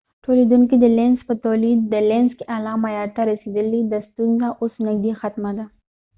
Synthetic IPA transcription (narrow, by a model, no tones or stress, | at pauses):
ʈʰolid̪unkid̪əlenspət̪alid̪̚ːəlenskeʔalɑmajɑɾt̪aɾasid̪əlid̪ast̪unzaʔosnɪɡ̚d̪ixat̪mad̪a